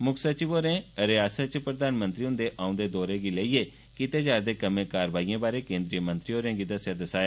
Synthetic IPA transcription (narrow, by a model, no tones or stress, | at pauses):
mʊkʰsət͡ʃɪboːɾẽɾeaːsət͡ʃpɾəd̪aːnmə̃nt̪ɾiɦʊ̃nd̪eʔãːʊ̃nd̪eːd̪oːɾẽːɡiːləiːe | kit̪eːd͡ʒaːɾd̪eːkəmẽkaːɾəʋaːiːãːbaːɾekẽːnd̪ɾijəmə̃nt̪ɾioːɾeãːɡiːd̪əsjad̪əsaːja